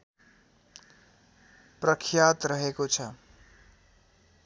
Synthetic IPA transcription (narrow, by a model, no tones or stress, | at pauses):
prʌkʰjat̪ɾʌɦekot͡sʰʌ